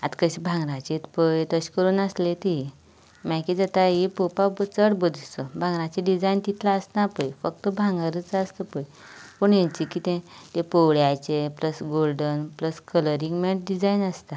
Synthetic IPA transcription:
at̪kəɕibʱãŋɡɾãt͡ɕet̪pəjt̪əɕkəɾuːnaslet̪ii | majkid͡zət̪aɦipopabət͡səɽbəd̪t͡səbʱãŋɡɾãt͡ɕeɖid͡zajnt̪it̪ʰlaːsnapəjfək̚t̪əbʱãŋɡaɾət͡səst̪əpəj | pəɳjãɲt͡ɕikit̪ẽt̪ẽpowɽjat͡ɕepləsɡolɖənpləskələɾiŋɡmẽɳʈ̚ɖid͡zainəst̪a

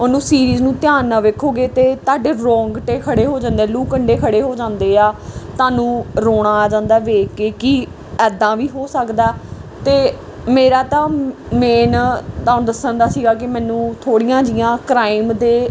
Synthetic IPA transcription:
ʊnũːsiːɾiːznũːt̪jaːnːaːʋeːkʰːoːɡeːt̪eːt̪aːɖeːɾɔ̃ːŋɡʈeːkʰəɽeːɦoːd͡ʒãːnd̪eɛːluːkəɳɖeːkʰəɽeːɦoːd͡ʒãːnd̪eːaːt̪aːnũːɾoːɽaːd͡ʒãːnd̪aːʋeːkːeːkɪ | ɛːd̪ãːʋiːɦoːsəkd̪aːt̪eː | meːɾaːt̪ãː | meːnt̪aːʊ̃nd̪əsənd̪aːsiːɡaːkɪmɛ̃ːnũːt̪ʰoːɽijãːd͡ʒɪjãːkɾaːiɪmd̪eː

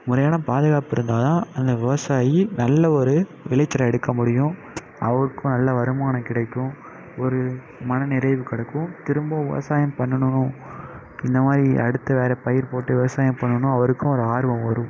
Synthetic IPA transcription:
mʊɾɐjaːnɐpaːðɯɣaːpɪɾɯnd̪aːðãːɐnd̪ɐʋɪʋɐsaːjinɐlːɐɔɾɯ | ʋɪlɐɪt͡ʃːɐɾɐɛɽɯkːɐmʊɽɪjʊ̃ | ɐʋɐɾɯkːʊ̃nɐlːɐʋɐɾɯmaːnɐkɪɽɐɪkːʊ̃ | ɔɾɯ | mɐnɐnɪɾɐɪʋɯkɐɽɐkːʊ̃t̪ɪɾɯmbõʋɪʋɐ̰saːjɐmpɐɳːɐɳɯnʊ̃ | ɪnd̪ɐmaːd̪ɾiɐ̰ɽɯt̪ːɐʋeːɾɐpɐjɪɾpoːʈːɯʋɪʋɐsaːjɐmpɐɳːɐnʊ̃ɐʋɐɾɯkːʊ̃ɔɾɯaːɾɯʋɐ̃mʋɐɾɯ̃m

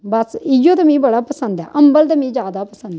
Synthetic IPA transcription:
bəsɪjoːt̪amĩːbəɽaːpəsənd̪ɛ̰ːʔəmbəlt̪amĩːd͡ʒjaːd̪aːpəsə̃nd̪

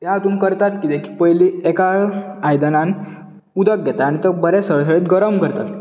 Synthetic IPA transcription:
ɦjat̪uːnkəɾt̪at̪kid̪ekʰi̥pəjliekaajd̪anan | ud̪ək̚ɡɛt̪aːɽ̃it̪əbəɾesəɭəs̬əɭiːt̪ɡəɾəmkəɾt̪at̪

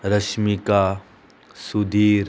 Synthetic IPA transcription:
ɾəʃmika | sud̪iːɾ

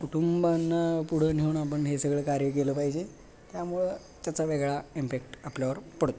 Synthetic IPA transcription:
kuʈumbanːapuɽ̤əneuɳapəɳɦesəɡɭəkaɾjək̬eləːpaɦid͡ʑe | t̪jamuɭe | t̪jat͡saʋeɡɭaimpekʈapljaʋəɾpəɽ̤t̪

